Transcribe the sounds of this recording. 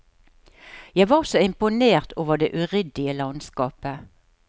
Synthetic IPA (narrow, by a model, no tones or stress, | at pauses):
jæɪʋɑːsoɪmpʊneːʁt̪ʰoːʋəʁd̪eːʔʉʁʏd̪ɪəlɑnskɑːpə